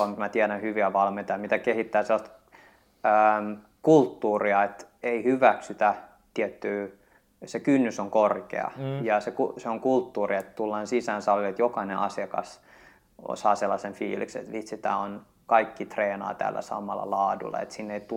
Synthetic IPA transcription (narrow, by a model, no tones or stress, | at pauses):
ɑmmæt̪iæɾænhyʋiæʋɑlment̪ɑjɑmit̪ækehit̪ːæːselːɑst̪ | əːm | kult̪ːuːriɑet̪eihyʋæksyt̪æ | t̪iɛt̪ːyː | sekynːysoŋkorkḛɑ̰jɑsekuseoŋkult̪ːuːriet̪t̪ulːɑːnsisænsɑlːiet̪jokɑinḛʔɑsiɑkɑs | o̰sɑːselːɑsenfḭːlḭksḛt̪ʋit̪sit̪æon | kɑikːit̪reːnɑ̰ːt̪æ̰ːlːæ̰sɑ̰mɑ̰lːɑ̰lɑːdṵlːˑɑ̰ḛt̪sinːeit̪u